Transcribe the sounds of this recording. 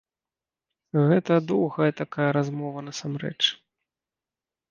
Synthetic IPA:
ɣɛt̪ɐd̪ɔwɣɐjɐt̪akajɐɾazmɔvɐnɐsamɾɛ̰t͡ʂ

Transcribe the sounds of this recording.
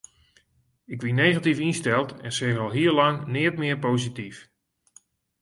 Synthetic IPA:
ɪkʋinejɣatifinstɛlˠtɛ̰nsɛɣɔlˠɦiərlɑŋnɪːtmɪəɹpowzitif

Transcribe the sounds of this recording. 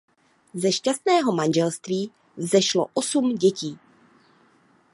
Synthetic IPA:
zɛʃcast̪nɛːɦo̞manʒɛlst̪viː | zɛʃlo̞̰ʔosumɟɛciː

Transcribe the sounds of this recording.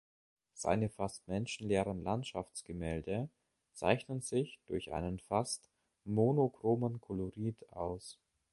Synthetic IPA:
z̥a̰ɪnəfast̚mɛnʃn̩leːʁənlantʃa̰ft͡sɡ̥əmɛːldə | t͡sa̰ɪçnənzɪçd̥ʊɐçʔa̰ɪnənfast | monokʁ̥oːmənkʰɔloʁiːtʔa̰ʊs

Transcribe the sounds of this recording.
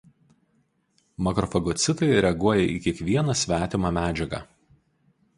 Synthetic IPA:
mɐkɾɔfɐɡɔt̪sʲɪt̪ɐɪɾʲɛɐɡuɔjɛʔiːkʲiɛkʋʲiɛnɐsʲʋʲæːt̪ʲɪmɑmʲæːd͡ʒʲɛɡɐ̰ː

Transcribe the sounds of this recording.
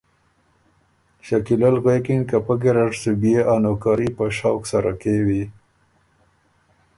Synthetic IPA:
ʃakilalɣwekɪnkapaɡeɾaʈsubijeʔanokɑɾipəʃɑwksaɾakewi

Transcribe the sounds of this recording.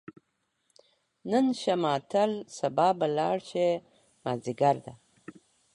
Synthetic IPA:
nənʃamɑːt̪ʰalsabɑːbalɑːɽʃe | maziɡaɾd̪a

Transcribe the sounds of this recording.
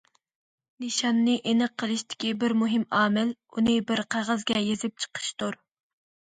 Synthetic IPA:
nɨʃɑnːɨʔenɨəqʰːəlˠɨʃt̪ʰɪ̥kʲibɪɾmuɦɪmɑːmɪlunɨbɪɾqʰæʁəzɡʲɛjezɪp̚t͡ʃʰə̥qʰə̥ʃt̪uɾ

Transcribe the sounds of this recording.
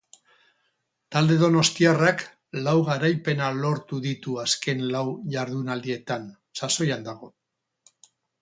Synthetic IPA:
t̪ald̪e̞ðo̞no̞st̪iarak | lawɣaɾajpe̞nalo̞ɾt̪uðit̪uaske̞nlawʝaɾðunald̪ie̞t̪an | saso̞jand̪aɣ̞o̞

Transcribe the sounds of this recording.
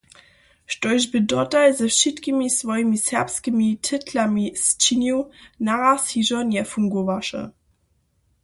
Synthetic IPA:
ʃtoɪʒbədɔtaɪzəfʃitɡimisvɑjmisɛpskəmitʰətʰlamist͡ʃinjonaʁasiʒɔnɛːɐfuŋɡovaʃə̰

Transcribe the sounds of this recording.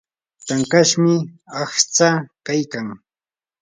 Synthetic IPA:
t̪aŋkaʃmɪaxt͡sakajkaŋ

